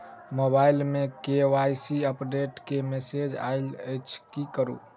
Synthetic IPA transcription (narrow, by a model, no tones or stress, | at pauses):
mobailmekewajsiəpɖeʈkemesed͡ʒa̰jləjt͡ʃʰkikəɾṵ